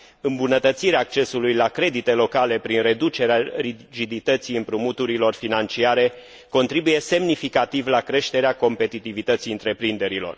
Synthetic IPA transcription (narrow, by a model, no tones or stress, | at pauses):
ɨmbunət̪ət̪siɾeaːk̚t͡ʃe̞sulujlakɾe̞d̪it̪e̞lo̞kale̞pɾinre̞d̪ut͡ʃe̞ɾearid͡ʒid̪it̪ət̪siɨmpɾumut̪uɾilo̞rfinant͡ʃiaɾe̞ | ko̞nt̪ɾibuje̞se̞mnifikat̪ivlakɾe̞ʃt̪e̞ɾeako̞mpe̞t̪it̪ivit̪ət̪siɨnt̪ɾe̞pɾind̪e̞ɾilo̞̰r